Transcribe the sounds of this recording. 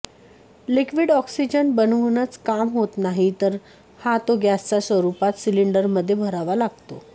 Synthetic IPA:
likʋiɽɔksid͡ʑənbənʋnat͡skamɦot̪naɦit̪əɾ | hat̪oɡjast͡sasʋəɾupat̪siliɳɖəɾməd̪ʱːjebʱəɾaʋalaɡ̚t̪o

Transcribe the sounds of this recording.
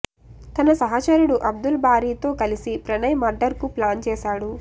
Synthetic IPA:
t̪ɐnɐsɐɦɐt͡ʃɐɾuɽuʔɐb̚d̪ulbaːɾiːt̪o̞ːkɐlisipɾɐnɐjmɐɾɖɐɾkuplaːnt͡ʃɛːʃaːɽu

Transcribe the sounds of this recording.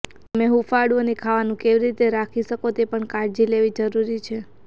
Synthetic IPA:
t̪əmeɦufaɽonekʰaʋanũkeʋiɾit̪eɾakʰiʃəkot̪epəɳkaɾd͡ʒileʋid͡ʒəɾuɾit͡ʃʰe

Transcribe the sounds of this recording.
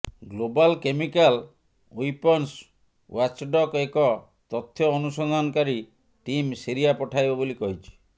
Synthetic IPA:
ɡlobalkemikal | ujpɔns | wat͡ʃɖɔkekɔ | t̪ɔt̪ʰːjɔːnusɔnd̪ʱanɔkaɾi | ʈimsiɾijapɔʈʰajbɔbolikɔɦit͡ʃʰi̥

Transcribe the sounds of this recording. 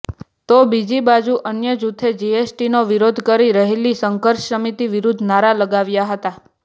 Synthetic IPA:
t̪obid͡ʒibad͡ʒuʔənjəd͡ʒut̪ʰed͡ʒiesʈinoʋiɾod̪ʱkəɾiɾəɦelisəŋkəɾʃsəmit̪iʋiɾud̪ʱnaɾaləɡaʋjaɦət̪a

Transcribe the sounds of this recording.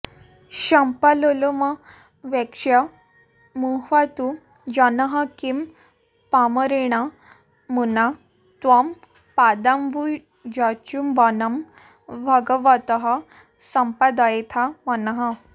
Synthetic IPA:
ɕampaloloma | ʋɛkʂa | muɦat̪u | d͡ʑanaɦakim | paməɾeɽ̃a | muna | t̪ʋam | pad̪ambu | d͡ʑat͡ɕumʋanam | bʱəɡəʋat̪əɦa | səmpad̪ajt̪ʰamanaɦa

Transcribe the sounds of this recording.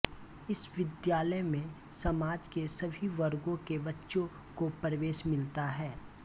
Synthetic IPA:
ɪsʋɪd̪jaːləjmẽ | sɐmaːd͡ʒkesɐbʱiʋɐɾɡõkeʋɐtːʃõ | kopɾəʋeːʃmɪlt̪aɦɛː

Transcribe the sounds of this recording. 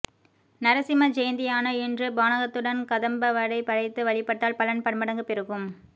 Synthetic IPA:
nɐɾɐsɪmɐd͡ʒɛjnd̪ɪjaːnɐɪndrɯbaːnɐɣɐt̪ːɯɽɐnkɐðɐmbɐʋɐɽɐɪpɐɾɐɪt̪ːɯʋɐɭɪpːɐʈːaːlpɐlɐnpɐɳmɐɽɐŋɡɯpɛɾɯɣɯm

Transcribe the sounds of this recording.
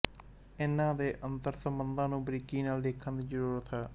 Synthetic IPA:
ɪnãːd̪eːʔənt̪əɾsəmbənd̪ãːnũːbɾiːkiːnaːld̪eːkʰːənd̪iːzəɾuːɾət̪ɦɛː

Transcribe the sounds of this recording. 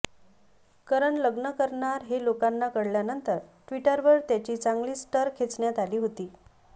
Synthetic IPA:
kəɾəɳləɡnəkəɾɳaɾɦelokanːakəɽljanənt̪əɾʈʋiʈəɾʋəɾt̪jat͡ɕiːt͡saŋɡliːsʈəɾkʰet͡sɳjat̪aliːɦot̪iː

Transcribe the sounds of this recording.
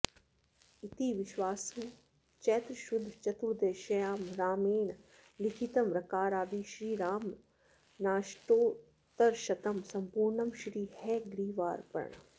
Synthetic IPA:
it̪iʋɪʃwaːsuː | t͡ʃɛːt̪ɾʃud̪ʱt͡ʃɐt̪uːd̪eːʃɐjaːmɾaːmeːn | likʰit̪ɐmɾɐkaːɾaːb̪iːʃɾiːɾaːm | naːʃʈoː | t̪ɐɾʃɐt̪ɐmsɐmpuːɾɳɐmʃɾiːhɛɡɾiːʋaːɾpɐ̰ɾɳɐ̰

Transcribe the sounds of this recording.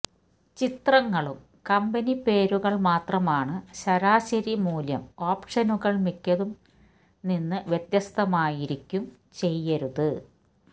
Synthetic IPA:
t͡ɕit̪rɐŋːɐɭum | kɐmbɐnipe̞ːɾuɣɐɭmaːt̪rɐmaːɳɨɕɐɾaːɕɐɾimuːljɐmoːpʂɐnuɣɐɭmikʲːɐðum | ninːɨʋjet̪jɐst̪ɐmaːjiɾikʲːum | t͡ɕe̞jːɐɾuðɨ

